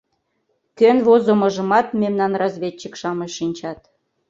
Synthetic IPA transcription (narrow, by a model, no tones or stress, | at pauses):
kønβozomə̆ʒə̆mɑt̪memnɑnrɑzβʲetʲt͡ɕəkʃɑməʃːinʲt͡ɕɑt̪